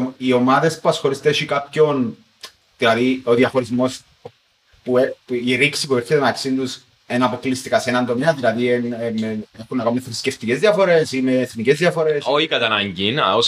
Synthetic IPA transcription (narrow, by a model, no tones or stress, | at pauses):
io̞mɐðe̞spuɐsxo̞ɾist̪eoʃikapço̞n | ðilɐðioðiɐxo̞ɾizmo̞s | puepiɾiksipueɾçet̪enɐksint̪us | enɐpo̞klist̪ikɐseenɐnd̪omeɐðilɐðienmeexunːɐkɐnunefɾisceft̪ice̞zðiɐfo̞ɾe̞simeːθnice̞zðiɐfo̞ɾe̞soçikɐt̪ɐnɐɲɟin̰os